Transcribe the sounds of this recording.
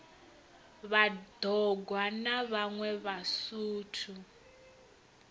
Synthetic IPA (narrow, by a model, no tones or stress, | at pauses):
βad̥ʱɔɡʱwanaβaŋwɛβasuːtʰu